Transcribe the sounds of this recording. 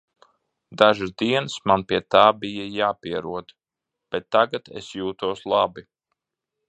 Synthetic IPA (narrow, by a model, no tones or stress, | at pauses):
d̪aʒɨzd̪iɛnsmanpʲiɛt̪aːbijajaːpiɛɾuɔd̪ | b̥ɛt̪ːaɡat̪ḛsjuːt̪uɔslˠɑbi